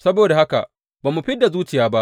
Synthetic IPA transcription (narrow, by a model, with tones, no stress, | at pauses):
sɐ˦boː˨da˨ha˦ka̰˨ʔ | baː˨mːu˨ɸɪ˦dːa˨zuː˦t͡ʃɪ˨jaː˦ba˦ʔ